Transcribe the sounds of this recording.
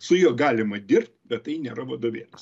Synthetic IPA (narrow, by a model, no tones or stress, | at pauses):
sʊjuɔɡɑːlʲɪmɐd̪ʲɪrʲpʲt̪ʲbʲɛt̪t̪ɐɪnʲeːɾɐʋɐd̪oːʋʲeːlʲɪs